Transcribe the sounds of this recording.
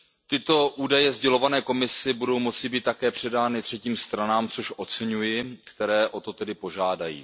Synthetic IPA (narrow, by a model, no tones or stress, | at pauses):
t̪ɪt̪o̞ʔuːdajɛzɟɛlo̞vanɛːko̞mɪsɪbudo̞wmo̞t͡sɪbiːt̪ːakɛːpr̝̥ɛdaːnɪt̪r̝̥ɛciːmst̪ɾanaːmt͡so̞ʃʔo̞t͡sɛɲujɪkt̪ɛɾɛːʔo̞t̪o̞t̪ɛdɪpo̞ʒaːdajḭː